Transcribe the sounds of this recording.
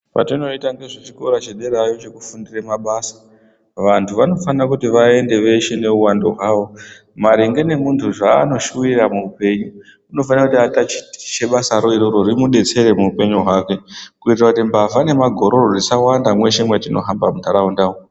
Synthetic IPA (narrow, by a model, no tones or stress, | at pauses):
pa̰tino̞itaŋɡeʐet͡ʃiko̞ɾat͡ʃeɗe̞ɾajo̞t͡ʃe̞ku̥fundiremaɓaːsḁ | ʋantʰuʋano̞fanrakutiʋae̞nde̞ʋe̞ʃe̞ne̞uwando̞̰ɦwaːʋo̞ | maɾiŋɡe̞ne̞muntʰuʐaːno̞ʃuiramuupe̞ɲuː | no̞fanrakutiatat͡ʃi̥ti̥t͡ʃe̞ɓasaɾoiɾoɾoɾimuɗe̞t͡se̞ɾemuupe̞ɲuɦwake̞kuitirakutimbavane̞maɡʱo̞ɾororisawandamwe̞ʃe̞mwetino̞̰ɦambamutʰaɾaundaːo